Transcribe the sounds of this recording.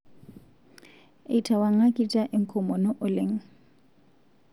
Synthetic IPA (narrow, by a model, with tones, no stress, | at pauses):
ɪi˨tʰa˨wa˨ŋ̩˦a˦kʼitʼa˦ʔɪ˦ŋ̩˦kʰɔ˨mɔ˨nɔ˦ʔʊ˨lɪ˦ŋ̩˦